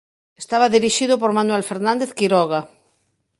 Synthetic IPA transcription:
est̪aβaðiɾiʃiðʊp̬oɾmanwɛlfeɾnãnd̪eθkiɾɔɣa

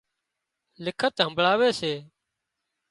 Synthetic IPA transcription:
lɪkʰət̪ɦəmbɭaːʋeːseː

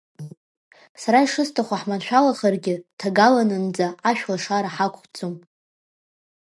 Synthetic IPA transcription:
saɾaiʂɨstʰaχʷaħmanʃʷᶣalaχərɡʲɪtʰaɡalanɨnd͡zaaʃᶣlaʂaɾaħakʷʰʼχʷt͡sʰom

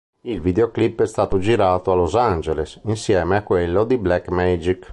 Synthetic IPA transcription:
ilvid̪eoklipːɛst̪aːt̪od͡ʒiɾaːt̪oalozand͡ʒelesinsjɛːmeakːwelːod̪iblɛkːmɛd͡ʒik

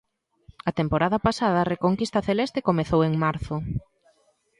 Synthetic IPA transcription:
ɐt̪empoɾaðɐpasaðɐrekoŋkist̪ɐθelɛst̪ekomeθoweŋmaɾθʊ

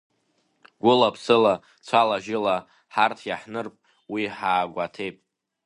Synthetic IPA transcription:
ɡʷʊlapʰsɨla | t͡sʷʰalaʒɪla | ħartʰjaħnɨrpʼ | wiħaːɡʷatʰe̞jpʼ

